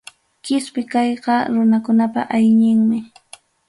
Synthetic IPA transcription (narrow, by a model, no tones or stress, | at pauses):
kɪspɪkɑjqɑɾʊnakʊnapa̰ʔajɲɪŋmɪ